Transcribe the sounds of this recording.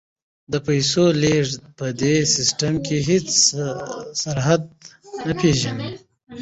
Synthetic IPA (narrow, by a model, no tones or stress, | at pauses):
d̪əpajsoleʐpəd̪esɪsʈəmkeɦɪt͡s | saɾɦad̪̚napʰeʒani